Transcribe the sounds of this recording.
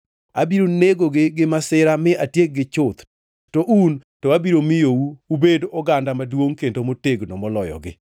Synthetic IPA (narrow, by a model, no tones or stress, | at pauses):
a̰biɾoneɡoɡɪɡɪmasɪɾamɪʔatjek̚ɡɪt͡ʃʊt̪ | toʔuntɔabiɾomɪjouubedɔɡandamadwoŋkendomoteɡnɔmɔlɔjɔ̰ɡɪ̰